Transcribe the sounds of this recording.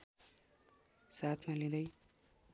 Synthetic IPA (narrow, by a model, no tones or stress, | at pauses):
sat̪ʰmalĩd̪ʌj